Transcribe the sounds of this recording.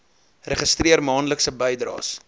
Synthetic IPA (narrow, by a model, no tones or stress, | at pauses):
rəχəstriərmɑːnləksəbəjdrɑ̰ːs